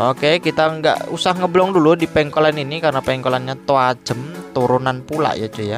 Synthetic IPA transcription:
okekit̪aŋɡa̰ʔusahŋəblɔŋduludipɛŋkɔlaninikarnapɛŋkɔlanɲat̪oḁd͡ʒ̥ə̤mt̪uɾunanpula̰ʔjad͡ʒoja

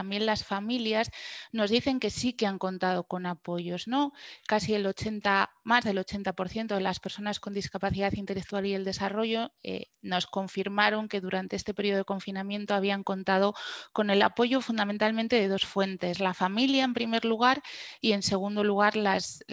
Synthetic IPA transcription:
ambje̞nlasfamiljazno̞zðiθe̞ŋke̞sikeaŋko̞nt̪að̞o̞ko̞napo̞ʝo̞zno̞kasielo̞t͡ʃe̞nt̪amazðe̞lo̞t͡ʃe̞nt̪apo̞ɾθje̞nt̪o̞ð̞e̞laspe̞ɾso̞nasko̞nd̪iskapaθiðaθint̪e̞lek̚t̪ualiðe̞ld̪e̞saro̞ʝo̞ḛ | no̞sko̞ɱfiɾmaɾo̞ŋke̞ðuɾant̪e̞est̪e̞peɾio̞eko̞ɱfinamjẽ̞nt̪oaβ̞iaŋko̞nt̪aðo̞ko̞ne̞lapo̞ʝo̞fund̪amẽ̞nt̪almẽnt̪e̞ð̞e̞ðo̞sfwe̞nt̪e̞zlafamiljaempɾime̞ɾluɣ̞aɾie̞nse̞ɣ̞und̪o̞luɣ̞aɾlas

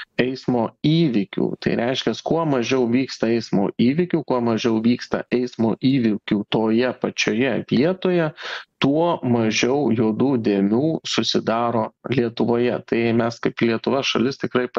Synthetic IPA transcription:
ɛɪsmoːiːʋʲɪkʲṵːt̪ɐ̰ɪɾʲʔɛɪʃʲkʲɛskuɔmɐʒʲɛʊʋʲiːkst̪ɐɛɪsmo̰ːʔiːʋʲɪkʲuːkuɔmɐʒʲɛʊʋʲiːkst̪ɐ̰ʔɛɪsmoːʔiːʋʲɪkʲuːt̪oːjɛpɐt͡ʃʲoːjɛʋʲiɛt̪oːjɛt̪uɔmɐʒʲɛʊjuːd̪uːd̪ʲeːmʲuːsʊsʲɪd̪ɑːɾoːlʲiɛt̪ʊʋoːjɛt̪ɐɪmʲɛskɐɪplʲiɛt̪ʊʋɐʃɐlʲɪst̪ʲɪkɾɐɪp

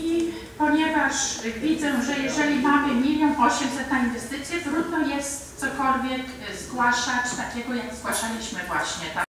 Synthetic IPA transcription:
i | pɔɲɛvaʂvʲid̪zɛʐɛjɛʐɛlʲimamɘmʲimɔ̃w̃vɔɕɛmsɛt̪nãinvɛst̪ɘt̪sʲjɛt̪ɾud̪nɔjɛst̪sɔkɔlvʲjɛk | zɡwaʂat͡ɕt̪akʲɛɡɔjaɡzɡwaʂalʲiɕmɘvwaɕɲɛt̪a

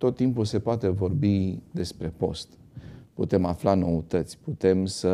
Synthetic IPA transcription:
t̪o̞t̪ːimpulse̞poat̪e̞vo̞rbid̪e̞spɾe̞po̞st̪ | put̪e̞maflano̞ut̪ət̪sʲput̪e̞msə

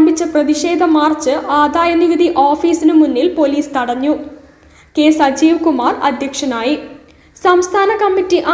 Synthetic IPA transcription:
mbit͡ɕːɐprɐðiɕe̞ːd̪ʱɐmaːrt͡ɕːɨaːd̪aːjɐniʋid̪ʱiʔoːfiːsinɨmunːilpo̞liːst̪ɐɽɐɲːu | keːsɐd͡ʑiːʋkumaːrɐ̰d̪ʱjɐkʂɐnaːji | sɐmst̪ʰaːnɐkɐmːitːiʔa

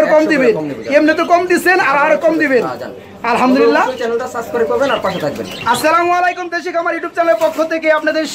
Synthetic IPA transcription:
ɾkɔmd̪ibenemnet̪̬okɔmd̪it͡ɕʰenaɾaaɾkɔmd̪iben | ɐlɦamd̪ulilːat͡ɕɛnelt̪asaskoɾepɔbenaɾpaʃet̪ʰak̚bḛnɐsːalamwalejkumd̪eʃ̬ikamaɾjuʈjup̚t͡ɕaleɾpokʰːot̪ʰekeapnad̪eɾʃ

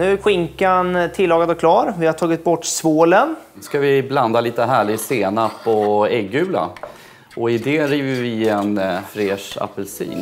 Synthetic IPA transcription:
nʉ̟ːɧɪŋkant̪ʰɪlːɑːɡad̪ɔkʰlɑːɾvɪhaʈʰɑːɡɪt̪̚bɔʈːsvoːlən | skavɪbland̪aliːt̪əɦæːɭɪseːnapʰɔɛɡːʉ̟ːla̰ | ʔɔɪd̪ɛːɾiːvəɾvɪɛnfɾeːʂa̰pːɛlsḭːn

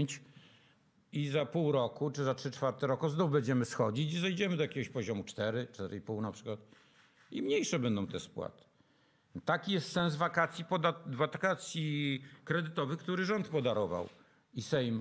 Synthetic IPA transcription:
ɲt͡ɕ | izapuwɾɔkut͡ʂɘzatʂɘt͡ʂfaɾt̪ɛɾɔkuznɔvbɛɲd͡ʑɛmɘsxɔd͡ʑit͡ɕizɛjd͡ʑɛmɘd̪ɔjakʲeɡɔɕpɔʑɔmut͡ʂt̪ɛɾɘt͡ʂt̪ɛɾipuwnapʂɘkwat̪̚ | imɲejʂɛbɛnd̪ɔ̃w̃t̪ɛspwa̰t̪ɘ̥ | t̪akʲijɛst̪sɛ̃nsvakat̪sʲjipɔd̪avakat̪sʲjikɾɛd̪ɘt̪ɔvɘxk̚t̪uɾɘʐɔnt̪pɔd̪aɾɔva̰w | isɛjm

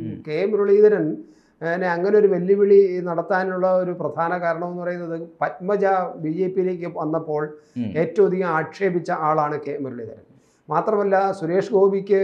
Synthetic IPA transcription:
ke̞ːmɾɐɭiːðɐɾɐn | neɐŋːɐneo̞ɾuʋɐlːjiʋiɭinɐɽɐt̪ːaːnuɭːɐo̞ɾuprɐd̪ʱaːnɐkaːɾɐɳɐmenːupɐrɐjunːɐðɨpɐt̚mɐd͡ʑɐbiːd͡ʑe̞ːpːijile̞ːk̬ʲːɨʋɐnːɐpːo̞ːɭe̞ːtːɐʋwd̪ijɐmaːkʂe̞ːbit͡ɕːɐʔaːɭaːɳɨke̞ːmɾɐɭḭːd̪ɐɾɐn | maːt̪rɐmɐlːɐsuɾe̞ːʂɡo̞ːbikʲːɨ

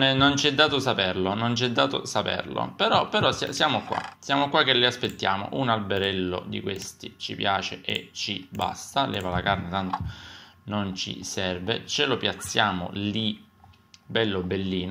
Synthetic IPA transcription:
nɛnːont͡ʃiɛd̪ːaːt̪osapɛrlonont͡ʃiɛd̪ːaːt̪o̰sapɛ̰rlo̰peɾɔpeɾɔsja̰sjaːmokwa̰sjaːmokwakːelːiaspet̪ːjaːmo̰ʔunalbeɾɛlːo̰d̪ḭkwest̪it͡ʃḭpjaːt͡ʃeʔḛt͡ʃiba̰st̪alʔɛ̰ːvalakarnet̪ant̪o̥nont͡ʃḭsɛrvet͡ʃelopjat̪sːjaːmo̰li | bɛlːobelːiːn

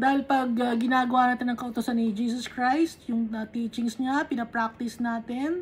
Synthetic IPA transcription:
d̪aːhɪlpɐɡ̚ɐːɪnaːɡɐwaʔnaːt̪ɪnːɐŋkɐʔʊt̪ʊsanːɪd͡ʒiːsoskɹajst̪jʊŋɐt̪iːt͡ʃɪŋsɲapɪnɐpɾak̚t̪ɪsnaːt̪ɪn

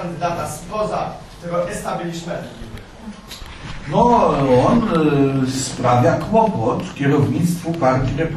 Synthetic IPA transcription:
and̪ɘd̪at̪asipɔza̰ | t̪ɛɡɔʔɛst̪abʲilʲismɛi | nɔɔn | spɾavʲjakwɔpɔt̪kʲɛɾɔvɲit̪st̪fɔpaɾt̪ʲinɛp

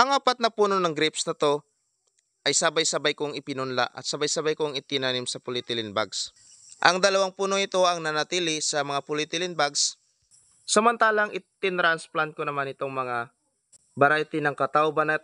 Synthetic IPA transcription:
ʔɐŋʔaːpɐt̪̚nɐpuːno̞nɐŋɡɾɪpsnɐt̪o̞ | ʔɐjsaːbɐjsɐbajkoŋɪpɪnʊnla̰ʔɐ̰t̪̚sɐbajsɐbajkoŋɪt̪ɪnaːnɪmsɐpʊlɪt̪ɪlɪnba̰ɡs | ʔɐŋd̪ɐlɐwaŋpuːnoŋɪt̪o̞ʔɐŋnɐnɐt̪iːlɪsɐmɐŋapʊlɪt̪ɪlɪnbaɡs | sɐmɐnt̪aːlɐŋʔɪt̪ɪnɾansplant̪̚konɐmanɪt̪oŋmɐŋa | bɐɾajt̪ɪnɐŋkɐt̪aʔobɐnɐ

